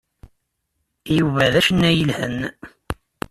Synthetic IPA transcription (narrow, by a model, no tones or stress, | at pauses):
juvæðæʃənːæjəlhə̰n